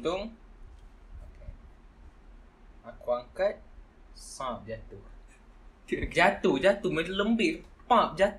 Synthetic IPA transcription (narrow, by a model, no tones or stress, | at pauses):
dʊŋ | oke | akuaŋkət̪̚ | sãp̚d͡ʒat̪u | d͡ʒat̪ud͡ʒat̪umə̃ləmbɪʔpãp̚d͡ʒat̪